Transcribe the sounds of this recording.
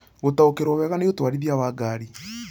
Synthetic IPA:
ɣotaokeɾwɔwɛɣanejotwaɾiðjawaːɡaːɾi

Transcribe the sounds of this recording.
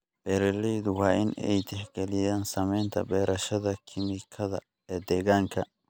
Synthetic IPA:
b̥ɛɾɛlːijd̪ʊwaːʔɪnɛ̰jt̪ɪɡ̥ɛlɪd̪ɐnsɐmɛnt̪ɐ̰bɛːɾʔɐʃɐd̪ɐkʰɪmɪkʰːɐd̪ɐ̰ | ɛd̪ɛɡɐŋkɐ

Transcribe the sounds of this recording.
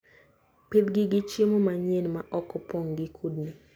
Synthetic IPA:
ped̪ɡɪɡɪt͡ʃemomaɲenmaʔɔkɔpɔŋɡɪkʰudnɪ

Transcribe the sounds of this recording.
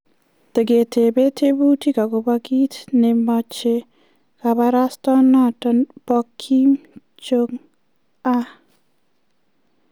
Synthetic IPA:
t̪əɡet̪ʰebet̪ʰebutikaɡobaɡit̪nɛmɔt͡ʃe | kabaɾast̪ɔnatɔnpɔkʰːim | t͡ʃoŋ | a

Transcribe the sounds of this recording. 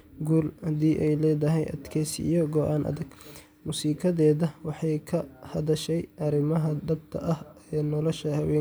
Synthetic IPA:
ɡuːlhɐd̪iːʔɛjlɛːðɐɦɛjʔɐ̰d̪kʰɛːsḭjɔɡɔʔaːnʔɐ̰ðɐɡ | muːsiːkʰɐðɛːðɐwɑħɑjkʰɐhɐðɐʃɛjʔɐɾɪmɐɦɐd̪ɐb̚t̪ʰɐ̰ʔɐhɛːnɔlɔʃɐhɐwɛː

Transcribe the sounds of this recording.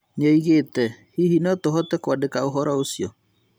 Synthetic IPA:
nɔiɣetɛhihinɔtoɦɔtɛkwadekaoɦɔɾɔosjɔ

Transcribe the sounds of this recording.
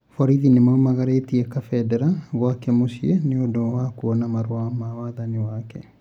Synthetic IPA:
fɔɾiðinemaumaɣaɾetiɛkafɛdɛɾaβwakɛmoʃieneodowakuɔnamaɾoamawaːðaniwakɛ

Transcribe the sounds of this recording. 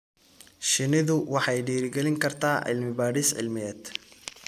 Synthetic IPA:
ʃɪnɪðʊwɑħɑjɖiːɾɪɡɛlɪŋkʰɐrt̪ʰaːʕɪ̰lmɪbaːɾɪsʕɪ̰lmɪɛːd̪̥

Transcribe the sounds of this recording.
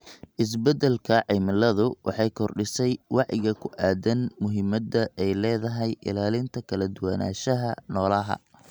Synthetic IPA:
ʔɪs̬bɛd̪ɛlkʰɐʕɪmɪlɐðʊwʔɑ̰ħɑjkʰɔrɖɪsɛjwɑʕjɪ̰ɣɐkʰʊʔaːd̪ɐnmʊɦɪmɐd̪ɐʔɛjlɛːðɐɦɛjʔɪ̰laːlɪnt̪ʰɐkʰɐlɐd̪ʊwɐna̰ːʃɐɦɐnɔːlɐɦɐ̰

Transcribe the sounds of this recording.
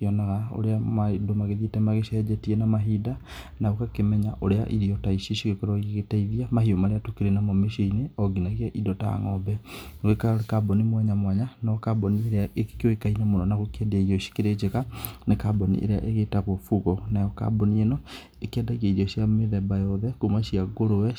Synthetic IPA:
iɔnaɣao̰ɾeamadomaɣeðietɛmaɣeʃɛd͡ʒɛtiɛnamaɦidanaɣokakemɛɲaʔoɾea̰ʔiɾiɔtaiʃiʃiɣekɔɾɔeɣetaiðiamaɦiomaɾeatukeɾenamɔmeʃiineɔɡinaɣiaʔidɔta̰ŋɔbɛɡekakabɔnimwɛɲamwaɲanɔkabɔnieɾeaʔekkoekainamonɔnaɣokɛdaiɾiɔʃi̥keɾed͡ʒeɣanekabɔnḭʔḛɾea̰ʔeɣetaɣofuɣɔnajɔka̰bɔnienɔ | ekɛdaɣiaiɾiɔʃiameðɛbajɔðɛkomaʃiaɡoɾowɛ

